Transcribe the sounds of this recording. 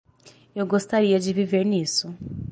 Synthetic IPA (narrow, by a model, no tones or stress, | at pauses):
oɡostaɾiad͡ʒiviveɾniːsu